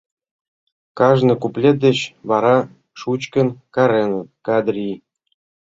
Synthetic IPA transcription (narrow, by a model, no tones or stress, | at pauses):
kɑʒnɤ̆kuplʲet̪̚d̪et͡ɕβɑɾɑ | ʃut͡ɕkə̆nkɑɾenəkɑd̪ɾʲi